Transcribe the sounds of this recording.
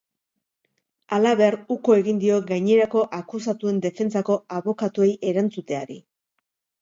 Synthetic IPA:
alaβe̞aruko̞e̞ɣind̪io̞ɡajɲe̞ɾako̞ʔakus̬at̪ue̞nd̪e̞fe̞nt͡sako̞aβo̞kat̪ue̞jʔe̞ɾant͡sut̪e̞aɾi

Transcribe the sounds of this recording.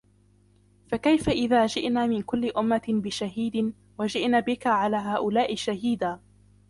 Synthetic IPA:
fakajfaʔɪðaːd͡ʒɪʔnaːmɪnkʊlːɪʔʊmːabɪʃaɦiːd̪ɪ | wad͡ʒɪʔnaːbɪkaʕalaːɦaːʔʊlaːʔɪʃaɦiːd̪aː

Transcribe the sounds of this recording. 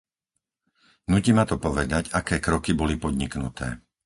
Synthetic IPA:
nucimat̪ɔpɔʋɛd̪aɟakɛːkɾɔkibɔlipɔd̪ɲiknṵt̪ʰɛ̰ː

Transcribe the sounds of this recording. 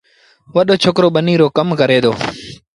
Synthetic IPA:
ʋəɗoːt͡ʃʰoːkɾoːɓəniːɾoːkəmkəɾeːd̪o̰ː

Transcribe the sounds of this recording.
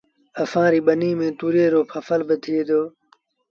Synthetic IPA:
əfãːɾiːɓəniːmẽːt̪uːɾeːɾoːpʰəfəlbɪt̪ʰeːd̪oː

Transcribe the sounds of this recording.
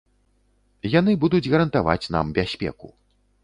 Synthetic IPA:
jan̪ɨbud̪ud͡zʲɣɐɾɐnt̪ava̰t͡sʲna̰mbʲasʲpʲɛ̰kṵ

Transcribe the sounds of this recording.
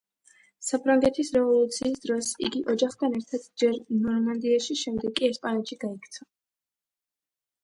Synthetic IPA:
sapʰɾaŋɡɛt̪ʰisɾɛvɔlˠut̪sʰiːsd̪ɾɔsḭɡiʔɔd͡ʒaχt̪ʰanɛɾt̪ʰad̪d͡ʒɛɾnɔɾmand̪iaʃiʃɛmd̪ɛɡʼiɛspʼanɛt̪ʃiɡaikʰt̪sʰa

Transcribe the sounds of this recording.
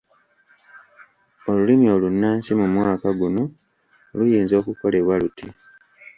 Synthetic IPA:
o̞lulimio̞lunːaːnsimumwaːkaɡuno̞ | lujiːnzo̞ːkuko̞le̞βwalutʰi

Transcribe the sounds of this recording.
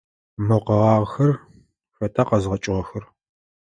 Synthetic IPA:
moqɐʁɑːʁxɐr | ɕɐtʰaːqɐzʁɐt͡ʃʼɪʁɐxɐr

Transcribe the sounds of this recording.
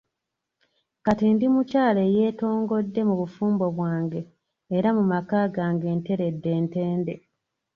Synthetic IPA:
katindimucaːleːjeːto̞ːŋɡo̞dːe̞muβufuːmbo̞βwaːŋɡeː | ɾamumakaːɡaːŋɡeːnte̞ɾe̞dːe̞ːnte̞ːnde̞

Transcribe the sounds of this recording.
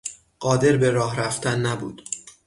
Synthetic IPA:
ɢ̥ɒːd̪e̞ɾbe̞ɾɒːɦɾæft̪ʰænːæbṵːd̪̥

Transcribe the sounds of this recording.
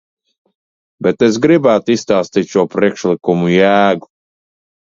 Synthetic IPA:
bɛt̪es̬ɡɾibæːt̪ist̪aːst̪iːt̪ʃuɔpɾiɛkʃlˠikumujæːɡu

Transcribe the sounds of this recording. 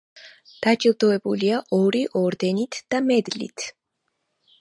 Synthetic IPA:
d̪̥at͡ʃʼild̪ɔɛbuliaʔɔɾiʔɔɾd̪ɛnit̪ʰd̪̥amɛd̪lḭt̪ʰ

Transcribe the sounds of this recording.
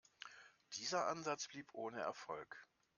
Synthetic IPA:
d̥iːzɐʔanzat͡sb̥liːpʔoːnəɛ̰ɐfɔlk

